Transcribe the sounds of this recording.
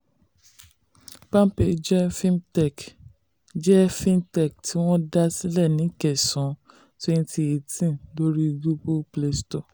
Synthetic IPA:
pã˦pe˨d͡ʒɛ˦fĩ˦mtɛ˨k | d͡ʒɛ˦fĩ˦mtɛ˦˨k̚tʰi˨˦w̃ɔ̃˦da˦si˦lɛ˦˨nĩ˨˦kɛ˨sɔ̃˨˦ | to˦ĩ˧˦ti˧e˨tĩ˦˨lo˦ɾi˦ɡu˦bu˦ple˦stɔ˦˨

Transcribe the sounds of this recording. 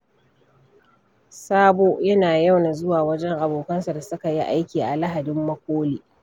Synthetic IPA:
saː˦boː˦jɐ˦naː˨ja˦wna˨zʊ˦waː˨wɐ˦d͡ʒɛ˦ŋʔa˨boː˨kɐ˦nsa˨da˨sʊ˦ka˨ji˦ʔa˦jkʲiː˨ʔa˨la˦ɦa˨dɪ˦mːɐ˦kʷoː˦liː˨

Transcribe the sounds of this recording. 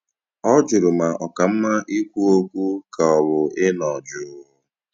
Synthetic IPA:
ɔ˦d͡ʒʊ˨ɾʊ˨ma˨ʔɔ˨ka˨m̩˦ma˦ʔi˦kʷu˦o˦kʷu˦ka˨ɔ˨βʊ˨ɪ˦nɔ˨d͡ʒʊ˨˦

